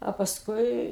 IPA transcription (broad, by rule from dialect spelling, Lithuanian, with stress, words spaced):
ɐ pɐsˈkʊɪ